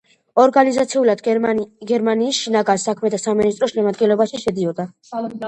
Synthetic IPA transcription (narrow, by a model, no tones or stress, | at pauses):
ɔɾɡanizat̪sʰiulad̪ɡɛɾmaniːsʃinaɡaɾsakʰmɛt̪ʰasaminis̬t̪ʼɾɔʃɛmad̪ɡɛnlɔbaʃiʃɛd̪iɔd̪a